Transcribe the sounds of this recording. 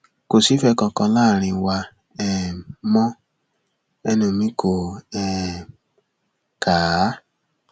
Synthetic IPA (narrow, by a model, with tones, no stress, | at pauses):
ko˨si˨˦fɛ˦˧kã˧kã˧la˦˨ɾ̃ĩ˧wa˧ | ɛ˨mɔ̃˦ | ɛ˧nũ˧˨mĩ˦kʰo˨ɛ˨ | kʰa˨˦